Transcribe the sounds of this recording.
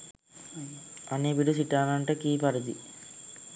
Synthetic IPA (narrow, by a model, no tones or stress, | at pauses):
ɐnebiɽusiʈːaːnɐɳʈekiːpɐɾɐd̪ḭ